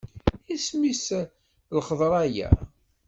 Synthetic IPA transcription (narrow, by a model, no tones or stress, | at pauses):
ismis | lχəðˤɾˤæjæ̰